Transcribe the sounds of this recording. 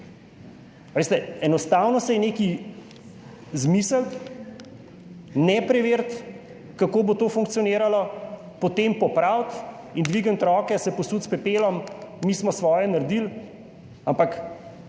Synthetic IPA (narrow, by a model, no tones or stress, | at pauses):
ʋeːst̪ɛɛnɔst̪awnɔsɛjɛneːki | zmiːsəlt̪ | nɛpɾɛʋeːɾt̪ | kakoːbot̪oːfuŋk̚tsijɔneːɾalɔ | pɔt̪empɔpɾawt̪ | ind̪ʋiːɡənt̪ɾɔːkɛsɛpɔsuːt̪spɛpeːlɔmːiːsmɔsʋɔːjɛnaɾd̪il | ampak